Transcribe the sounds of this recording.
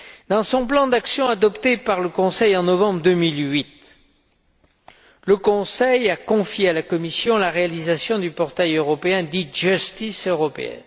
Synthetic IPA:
d̪ɑ̃sɔ̃plɑ̃d̪aksjɔ̃ad̪ɔpt̪epaʁləkɔ̃sɛjɑ̃nɔvɑ̃bʁd̪ømilɥit̪ | ləkɔ̃sɛjakɔ̃fjealakɔmisjɔ̃laʁealizasjɔ̃d̪ypɔʁt̪ajøʁɔpeɛ̃d̪iʒyst̪isøʁɔpḛɛ̰n

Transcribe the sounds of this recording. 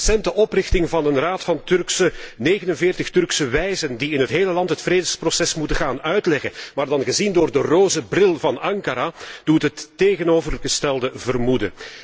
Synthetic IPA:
sɛntəʔɔprɪxtɪŋvɑnənraːtfɑntʏrksəneːɣənənvɪːrtəxtʏrksəʋɛjzəndiɪnɦətɦeːləlɑntɦətfreːdəsprosɛsmutəɣaːnœɥtlɛɣənmaːrdɑnɣəzindoːrdəroːzəbrɪlˠvɑnɑŋkaɾad̥utɦətːeːɣənoːvərɣəstɛlˠdəvərmudə̰

